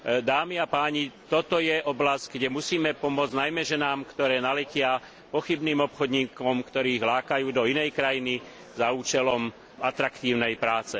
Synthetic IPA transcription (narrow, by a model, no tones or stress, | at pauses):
d̪aːmiapaːɲit̪ɔt̪ɔjɛʔɔblasɟ̥ɡɟɛmusiːmɛpɔmʊɔd͡znajmɛʒɛnaːmkt̪ɔɾɛːnalɛcɪa | pɔxibniːmɔpxɔd̪ɲiːkɔmkt̪ɔɾiːɣlaːkajuːd̪ɔinɛjkɾajini | zauːt͡ʃɛlɔm | at̪ɾakt̪iːʊnɛjpɾaːt͡sɛ